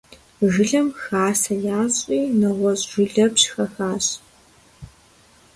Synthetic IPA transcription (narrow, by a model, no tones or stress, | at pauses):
ʒɨɮɐmxaːsɐjaːɕʼiːnɐʁʷɔɕʼʒʊɮɐpɕxɐxaːɕ